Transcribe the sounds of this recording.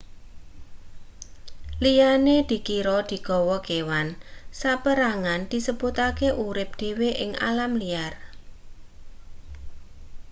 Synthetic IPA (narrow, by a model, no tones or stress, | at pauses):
lijaned̪̥i̤kiɾɔd̪̥i̤ɡ̥ɔ̤wɔɡ̥ewansapəɾaŋand̪̥i̤səbut̪akeʔuɾɪp̚d̪̥e̤weʔɪŋa̰lamlijar